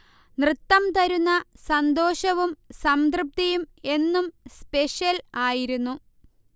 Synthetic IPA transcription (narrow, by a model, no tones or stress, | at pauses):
nrɨt̪ːɐmt̪ɐɾunːɐsɐnd̪oːɕɐʋumsɐmd̪rɨp̚t̪ijume̞nːumspe̞ɕjɐlaːjiɾunːu